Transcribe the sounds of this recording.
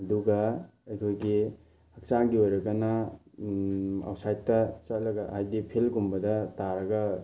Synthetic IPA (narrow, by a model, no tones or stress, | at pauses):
ɐduɡɐ | ɐjkʰojɡi | hɐk̚t͡ʃaŋɡiojɾɐkanɐ | a̰wsajtːɐt͡ʃɐlɐɡɐhajdipʰelɡumbɐdɐtaɾɐɡɐ